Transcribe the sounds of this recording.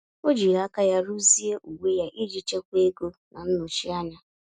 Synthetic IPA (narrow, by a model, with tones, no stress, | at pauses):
o˦d͡ʒi˨ɾa˨˦ka˦ja˦ɾu˦zi˦e˦ʔu˨we˦ja˦ʔi˦d͡ʒi˦t͡ʃe˦kʷe˦ɡo˦na˨n̩˦nʊ˨t͡ʃi˦a˦ɲa˦